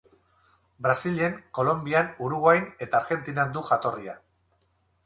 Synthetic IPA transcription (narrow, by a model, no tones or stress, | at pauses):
bɾasile̞ŋko̞lo̞mbianuɾuɣwajne̞t̪aːɾɣe̞nt̪inand̪uʝat̪o̞ria